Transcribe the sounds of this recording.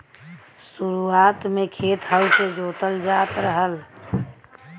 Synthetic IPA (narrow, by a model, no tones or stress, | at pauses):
suɾuat̪mekʰet̪ɦəwsed͡ʒot̪əld͡ʒat̪ɾəɦəl